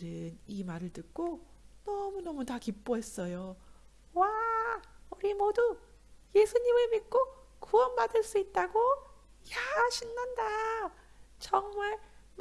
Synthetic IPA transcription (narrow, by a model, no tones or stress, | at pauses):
ɾɯnimaɾɯɭtɯk̚k͈onʌmunʌmutakip͈oɦe̞s͈ʌjo | wa | uɾimoduje̞sʰuɲimɯɭmit̚k͈o | kuwʌnbadɯɭs͈uit̚t͈aɡo | jaɕʰinːanda | t͡ɕʌŋmaɭm